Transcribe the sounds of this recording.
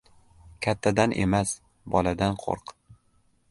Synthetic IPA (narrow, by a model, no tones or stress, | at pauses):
kʲʰat̪ʰːad̪anʔe̞̰mas | bɒlad̪anqʰo̰ɾq